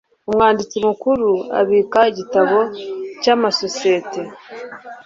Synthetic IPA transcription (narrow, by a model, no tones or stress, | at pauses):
umŋaːndit͡simukuɾua̰βiːkaiɟitaβo̞caːmaso̞siete̞